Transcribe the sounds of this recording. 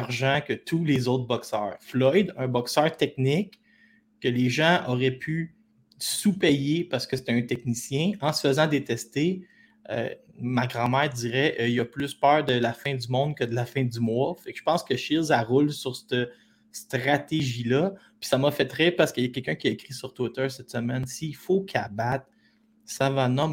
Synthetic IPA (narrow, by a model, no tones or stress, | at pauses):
aʁʒɑ̃kʲət̪ʰulezoʊt̪χbɔksœːʁflɔjd̪œ̃bɔksœːʁt̪ɛk̚nɪk | kːəleʒɑ̃ʔɔʁɛpʰy | supɛjepaʁsə̥kəse̥t̪ɛɛ̃t̪ɛknisjɛ̃ɑ̃sə̥fəzɑ̃d̪et̪ɛst̪e | ø̰ | maɡʁɑ̃mæːʁd̪iʁɛʔilʌplʏspœːʁd̪əlafɛ̃d̪ymɔ̃d̪kʲəd̪əlafɛ̃d̪ymwɔfɛkʒə̥pɑ̃skəʃɪlzaʁʊlsyʁst̪ə | st̪ʁat̪eʒilʌ | pɥi̥samʌfɛt̪ʁɛpaʁsə̥kəljakʲɛlkʲœ̃kʲiaekʁisyʁt̪wɪt̪ə˞sɛt̪səmɛnsiːfokʰʲabat̪̚ | savanɔm